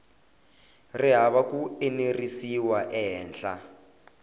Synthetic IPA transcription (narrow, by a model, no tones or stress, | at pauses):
riɦaβakuenerisiwaʔɛɦɛːnɬa̰